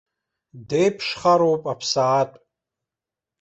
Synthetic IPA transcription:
dejpʰʂχaɾowpʼapʰsaːtʼ

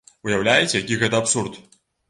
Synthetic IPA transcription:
ʊjɐwlʲæjɪt͡sʲjɐkʲiɣɛt̪ɐɐpsurt̪

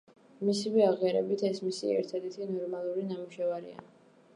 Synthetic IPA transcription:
misivɛaʁiaɾɛbit̪ʰɛsmisiɛ̰ɾt̪ʰad̪ɛɾt̪ʰinɔɾmalˠuɾinamuʃɛvaɾḭa̰

